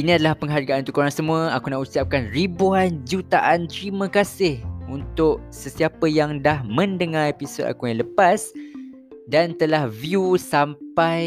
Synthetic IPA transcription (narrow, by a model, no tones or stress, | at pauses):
inĩadalahpəŋɦarɡaʔanunt̪ʊkoɾaŋsəmũəakunausiap̚kanribuand͡ʒut̪aʔant̪ɾimə̃kasɪhunt̪ʊʔsəsiapəjaŋdahmə̃ndəŋãɾepisoda̰kujaŋləpas | dant̪əlahviusampaj